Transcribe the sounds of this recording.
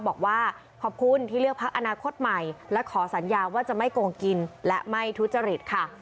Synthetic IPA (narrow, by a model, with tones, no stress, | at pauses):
bɔː˨˩k̚waː˥˩ | kʰɔː˨˩p̚kʰu˧˥nt̪ʰiː˥˩lɯ˥˩ək̚pʰa˦˥k̚ʔa˧naː˧kʰo˦˥t̪̚ma˨˩jlɛ˦˥kʰɔː˩˦sa˩˦njaː˧waː˥˩t͡ɕa˨˩ma˥˩jkoː˧ŋki˧nlɛ˦˥ʔma˥˩jt̪ʰu˦˥t̪̚t͡ɕa˧ɾi˨˩t̪̚kʰa˥˩